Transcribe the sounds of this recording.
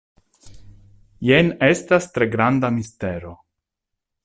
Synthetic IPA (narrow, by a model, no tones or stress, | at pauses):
jene̞stastɾe̞ɡɾandamisteɾo̞